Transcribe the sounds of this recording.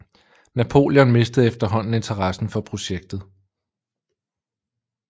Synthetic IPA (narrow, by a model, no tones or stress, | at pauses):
næpʰo̝̰ːljɒ̽nme̝sd̥əð̩ˠefd̥ɐɦɒ̽n̰n̩e̝nt͡sʰɐʁɑsn̩fɒ̽pʰʁo̝ɕeɡ̥̚d̥ð̩ˠ